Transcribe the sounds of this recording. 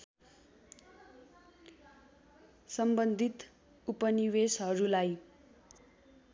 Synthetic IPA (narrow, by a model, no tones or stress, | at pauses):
sʌmbʌnd̪ʱit̪ | upʌniwesɦʌɾulaj